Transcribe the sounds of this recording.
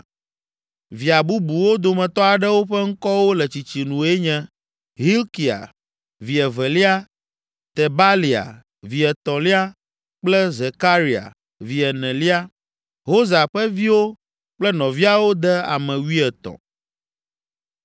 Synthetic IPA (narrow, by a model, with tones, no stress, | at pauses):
vi˨a˨bu˦bu˨wo˦d̪o˨mɛ̃˨t̪ɔ˦a˨ɖɛ˦wo˦ɸɛ˦ŋ̩˦kɔ˦wo˦lɛ˨t͡ɕi˨t͡ɕi˨nũ˨e˦ɲɛ̃˦ | ɦi˦lki˨a̰˨ | vi˨ɛ˨vɛ˨li˦a˦ | t̪e˨ba˦li˨a̰˨ | vi˨ɛ˨t̪ɔ̃˨li˦a˦ | k͡plɛ˦ze˨ka˦ɾi˨a̰˨ | vi˨ɛ˨nɛ̃˨li˦a˦ | ɦo˦za˨ɸɛ˦vi˦wo˦ | k͡plɛ˦nɔ̃˨vi˦a˨wo˦d̪ɛ˦a̰˨mɛ̃˨wi˦ɛ˨t̪ɔ̰̃˨